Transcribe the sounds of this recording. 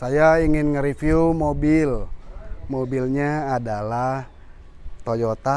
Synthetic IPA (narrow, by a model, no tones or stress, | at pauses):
sajaiŋɪnŋəɾifiumobil | mobilɲaːdalah | t̪ojɔt̪a